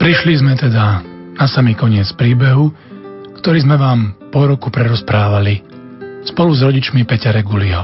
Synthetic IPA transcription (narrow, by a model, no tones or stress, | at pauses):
pɾiʃlizmɛt̪ɛd̪anasamikɔɲɪɛt͡spɾiːbɛɦu | kt̪ɔɾiːzmɛʋaːmpɔɾɔkupɾɛɾɔspɾaːʋali | spɔluzɾɔɟit͡ʃmipɛcaɾɛɡuliɦɔ̰